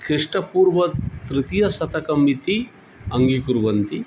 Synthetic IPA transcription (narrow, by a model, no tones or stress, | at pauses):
kʰiʂʈɐpuːɾʋɐt̪ɾɪt̪ijɐsɐt̪ɐkɐmːit̪i | ɐŋɡikuɾʋɐnt̪i